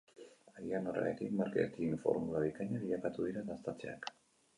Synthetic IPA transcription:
aðianora̰ḛt̪ikmaɾket̪iːɱfo̞̰ɾmulaβ̞ikaɲaβiʎakat̪uðiɾaðast̪at͡sea̰k

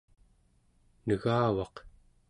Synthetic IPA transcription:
nəɣaːwɑq

